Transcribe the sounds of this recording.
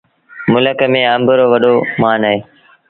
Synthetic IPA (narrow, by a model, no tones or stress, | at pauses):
mʊləkəmẽːəmbəɾoːʋɐɗoːmaːnaɦeː